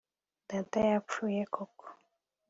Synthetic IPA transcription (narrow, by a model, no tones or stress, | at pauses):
d̪̥ɛ̃t̪ɛjapujɛkʰɔk